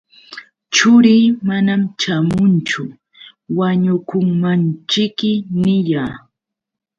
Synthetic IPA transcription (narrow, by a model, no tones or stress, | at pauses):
t͡ʃʊɾiːmanamt͡ʃamʊnt͡ʃʊ | waɲʊkʊŋmant͡ʃɪkːɪnɪjaː